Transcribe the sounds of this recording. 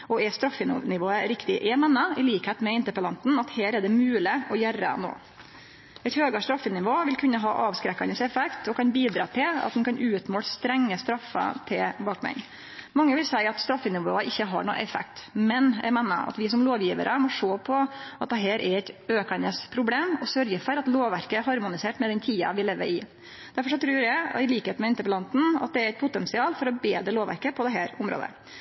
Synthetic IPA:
ʔɔɛst̪ɾɑfːə̰nɪʋoːəɾɪkt̪ɪʔɛmɛnːəɪliːkheːt̪mɛɪnt̪əɾpəlɑnt̪n̩ɑt̪heːɾɛɖɛmʉːlɪʔɔjærə̰no̰ː | ɛɪt̪høːɡɑʂt̪ɾɑfːənɪʋoːʋɪlkʰʉnːəɦɑ̰ːʔɑːʋskɾɛkːɑnəsɛfɛkt̪ʰɔkʰɑnbiːd̪ɾɑ̰ːt̪ʰɪlɑ̰t̪d̪ɛnkʰɑnʔʉːt̪moːlst̪ɾɛŋːəst̪ɾɑfːə̰t̪ʰɪlbɑːkmɛ̰n | mɑŋːəʋɪlsæɪɑt̪st̪ɾɑfːənɪʋoːəʔɪçːəɦɑ̰ɳṵːʔɛfɛ̰kt̪mɛnjæ̰ɪmæɪnːə̰ɾɑ̰t̪ʋɪs̬ɔmloːʋjiːʋə̰ɾʔəmɔʂoːpʰɔʔɑt̪̚d̪ɛɦæːɾʔɛɾɛɪt̪øːkɑnəspʰɾʊbleːmɔsœɾjəfɔɾɑt̪loːʋʋæɾkəɛɾhɑɾmʊnɪseːʈmɛd̪ɛnt̪ʰiːɑ̰ʋɪleːʋːə̰ɪ | d̪̥æɾfɔʂɔt̪ʰɾʉːɾjæɪɪliːkheːt̪mɛɪnt̪əpəlɑnt̪n̩ɑ̰t̪̚d̪ɛɾɛɪt̪̚pʰʊt̪ɛnsɪɑːlfɔɾɔbeːd̪ɾəloːʋæ̰ɾkəpʰɔd̪ɛɦæːɾʊmɾo̰ːd̪ə̰

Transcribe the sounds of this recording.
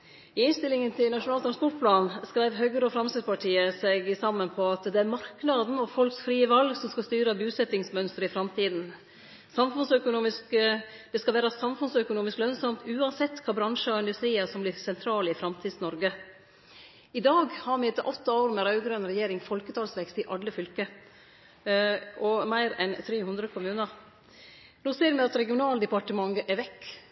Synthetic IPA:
ɪɪnst̪ɪlːɪŋənt̪ʰɪlnɑʂʊnɑːlt̪ɾɑspɔʈ̚pʰlɑːnskɾæɪʋɦœɡəɾəɔfɾɑmst̪ɪd̪pɑʈʰiːəsɛɡsɑmːənpʰɔɑt̪d̪ɛæɾmɑɾknɑd̪n̩ɔfɔlksfɾiːəʋɑlɡsɔmskɑst̪yːɾəbʉːsɛt̪ːɪŋsmœnst̪ɾəɪfɾɑmt̪ʰiːd̪n̩ | sɑmfʉnsœkʊnuːmɪskd̪̥ɛskɑʋæːɾɑsɑmfʉnsœkʊnuːmɪsklœnsɑmt̪ʉːɑnsɛt̪ːkʰɑːbɾɑŋʂəɑɪnd̪ʉst̪ɾiːəsɔmblɪɾsɛnt̪ʰɾɑːlɪfɾɑmt̪ʰiːd̪snɔɾɡə | ɪd̪ɑːɡhɑmɛɛt̪ːəɾʔɔt̪ːɑoːɾmɛɾɑʉɡɾœnɾɛjeːɾɪŋfɔlkət̪ʰɑːlsʋɛkst̪ɪʔɑlːəfʏlkə | ɔmæɪɾɛnt̪ʰɾeːhʉnd̪ɾəkʰʊmʉːnəɾ | noːseːɾmɛɑt̪ɾɛɡɪʊnɑːld̪ɛpɑʈəmɑŋɡʔɛʋɛkː

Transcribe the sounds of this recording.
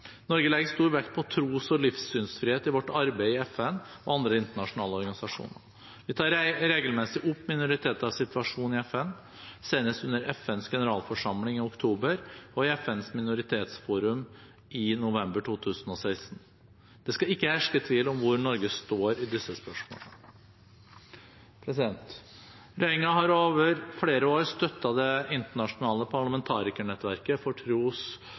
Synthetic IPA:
nɔɾɡəlɛɡəst̪uːɾʋɛkt̪̚pʰɔt̪ʰɾuːsɔlɪfsːyːnsfɾɪheːt̪ɪʋɔʈːɑɾbæɪɪɛfɛnɔɑnd̪ɾəɪnt̪əɳɑʂʊnɑːləɔɾɡɑnɪsɑʂṵːnə | ʋɪt̪ʰɑːɾɾeːɡəlmɛsɪʔʊpːmɪnʊɾɪt̪ʰeːt̪əɾɑʋsɪt̪ʋɑʂuːnɪɛfɛn | seɪnəst̪ʉnːəɾɛfɛnsɡɛnəɾɑːlfɔʂɑmlɪŋɪʊkt̪ʰuːbəɾɔɪɛfɛnsmɪnʊɾɪt̪ʰeːt̪sfuːɾʉm | ɪnʊʋɛmbəʈʰuːt̪ʰʉːsnɔsæɪst̪n̩ | d̪̥ɛskɑɪkːəhæʂkət̪ʰɪlɔmʋʊɾɳɔɾɡəst̪oːɾɪd̪ɪsːəspœʂmo̰ːlə | pʰɾɛsɪd̪ɛnt̪ | ɾɛɪŋɑɦɑɾoːʋəɾfleːɾəoːɾəst̪œt̪ːɑd̪ɛɪnt̪əɳɑʂʊnɑːləpʰɑɭɑmɛnt̪ʰɑːɾɪkəɳɛt̪ːʋæɾkəfɔʈʰɾuːs

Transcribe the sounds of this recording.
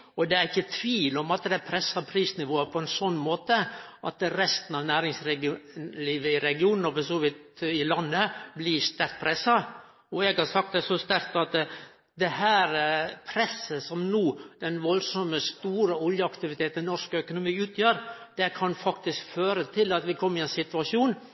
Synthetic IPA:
ɔd̪ɛæɾɪçːət̪ʰʋiːlɔmɑt̪d̪ɛpʰɾɛsːɑpʰɾiːsnɪʋoːəpʰɔɛnsɔnːmoːt̪əʔɑt̪ɾɛst̪ənɑʋnæːɾɪŋsɾɛliːʋəɪɾɛɡɪuːnn̩ɔʋɔsɔːʋɪt̪ɪlɑnːəblɪst̪æɾk̪̚pʰɾɛsːɑ | ɔɛɡhɑɾsɑk̚t̪̚d̪ɛsɔst̪æɾkt̪ɑt̪ | d̪ɛhæːɾpʰɾɛsːəsɔmnuːd̪̥ɛnʋɔlsɔməst̪uːɾəɔljəɑkt̪ɪʋɪt̪ʰeːt̪nnɔʂkœkʊnʊmiːʉːt̪ʰjøːɾ | d̪̥ɛkʰɑnfɑkt̪ɪskføːɾət̪ʰɪlɑt̪ʋɪkʰɔmːəɾɪɛnsɪt̪ʉʋɑʂuːn

